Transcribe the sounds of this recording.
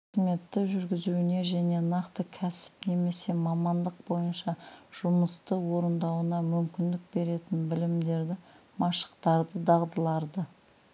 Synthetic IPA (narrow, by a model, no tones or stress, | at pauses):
me̞t̪ːɪʒʏɾɡʲɪzuwɪne̞ʒæne̞nɑqt̪əkʲʰæsɪ̥pne̞me̞se̞mɑmɑnd̪əq̚bo̞jənʃɑʒ̥ʊməst̪əwo̞ɾənd̪ɑwənɑmʏmkʲɪnd̪ɪk̚be̞ɾe̞t̪ɪnbɪlɪmd̪e̞ɾd̪ɪ | mɑʃə̥qt̪ɑɾd̪əd̪ɑʁd̪əlˠɑɾd̪ə